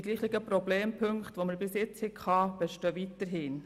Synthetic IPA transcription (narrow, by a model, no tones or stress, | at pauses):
ɡliːχtɪɡəprobleːmpʰɵŋkχtʋoməɾbɪsjɪt͡shɪkχɑb̥ɛʃtøːʋitəɾɦɪːn